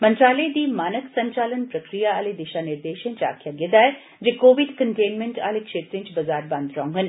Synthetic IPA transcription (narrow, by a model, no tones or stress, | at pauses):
mɐ̃nt̪ɾaːled̪iːmaːnəksɐ̃ɲt͡ʃaːlənpɾəkɾijaaːled̪ɪʃanɪɾd̪eːʃẽɲt͡ʃa̰ːkʰjaɡed̪aːɛ | d͡ʒekoːʋɪɖkəɳʈeːnmẽɳʈa̰ːlekʃeːt̪ɾẽɲt͡ʃbɐzaːɾbãːnd̪ɾãːũɦən